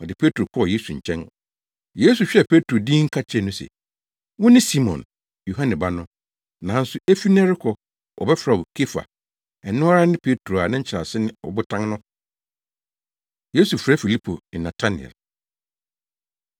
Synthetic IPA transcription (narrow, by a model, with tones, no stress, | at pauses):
ɔ˨dɪ˨pʰe˦tɾo˨kʰɔ˦˨je˦su˨ɲ̩˨t͡ɕʰɛ̃˦n˨ | je˦su˨ɕᶣɛ˦˨pʰe˦tʰɾo˨dĩː˦ŋ̩˦kʰa˦t͡ɕʰɛ˦˨nʊ̃˦sɛ̰˨ | wʊ̃˦nɪ̃˦si˦mɔ̰̃˨n | jo˨ɦã˦nɛ̃˨ba˦nʊ̃˦ | nã˨˦n̩˦sʊ˨e˦fi˦nɛ˦ɾɪ˦kʰɔ˨ | ɔ̰˨bɛ˦fɾa˨ɔ˨kʰe˦fa̰˨ | ɛ˨nʊ̃˦ɔ˦ɾa˦nɪ̃˦pʰe˦tʰɾo˨a˨nɪ̃˦ɲ̩˦t͡ɕʰɪ˨ɾa˨sɪ˦nɪ̃˦ɔ̰˨bʊ˦tʰã˦ŋnʊ̃˦ | je˦su˨fɾɛ˦fi˨li˦pʰo̰˨nã˨tʰa˦nɪ̰˨ɛ̰˨l